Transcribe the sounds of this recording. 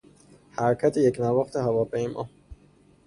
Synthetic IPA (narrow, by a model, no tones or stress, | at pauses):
hæɾcʰæt̪ʰejecnævɒːxt̪ʰehævɒːpʰe̞jmʔɒ̰ː